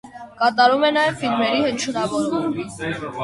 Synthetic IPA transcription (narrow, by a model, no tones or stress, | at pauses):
kɑt̪ɑɾumɛnɑjɛvfilmɛɾihət͡ʃʰəɾɑvɔɾuɾmi